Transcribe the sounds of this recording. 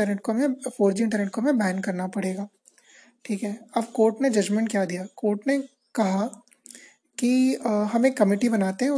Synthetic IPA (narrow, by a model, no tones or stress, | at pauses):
əɾneːʈ̚komẽfoːɾd͡ʒiɪ̃ɳʈ̬əɾneːʈ̚komẽbɛːnkɐɾnapɐɽeːɡaː | ʈʰiːkɦɛːɐbkoːɾʈned͡ʒɐd͡ʒmẽɳʈ̚kjaːd̪ijaːkoːɾʈne | kɐɦa | kiɦɐmeːkːɐmɪːʈibɐnaːt̪eɦɛ̃ʊ